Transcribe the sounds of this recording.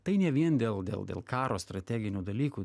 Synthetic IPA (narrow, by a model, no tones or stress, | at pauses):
t̪ɐɪnʲɛʋʲiɛnd̪ʲeːlˠd̪ʲḛːlˠd̪ʲḛlˠkɑːɾoːst̪ɾɐt̪ʲæːɡʲɪnʲuːd̪ɐlʲiːkuː